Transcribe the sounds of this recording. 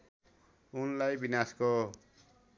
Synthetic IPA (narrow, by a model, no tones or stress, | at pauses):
unlajbinasko